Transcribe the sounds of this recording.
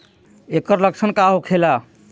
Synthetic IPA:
ekəɾləkt͡ʃʰənkaɦokʰela

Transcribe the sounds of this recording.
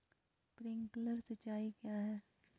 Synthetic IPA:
pɾɪ̃ŋkləɾsɐt͡ʃaːikjaɦɛː

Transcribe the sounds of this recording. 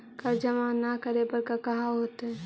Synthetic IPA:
kɐɾd͡ʒəmaːnakɐɾepɐɾkakɐɦaɦoːt̪ɦɛ̃

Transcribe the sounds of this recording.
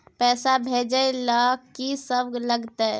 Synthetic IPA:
pɛsabʱed͡ʒəjlɔisəbləɡt̪ɛ

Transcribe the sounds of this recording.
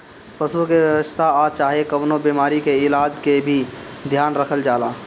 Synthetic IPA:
pəsukeʋjəwəst̪ʰaat͡ʃaːɦekəbnobimaːɾikeɪlaːd͡ʒkebʱid̪ʱjaːnɾəkʰəld͡ʒaːlaː

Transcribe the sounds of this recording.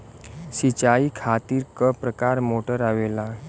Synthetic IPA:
sit͡ɕaiːkʰat̪iːɾkəpɾəkaɾmoʈəɾaʋela

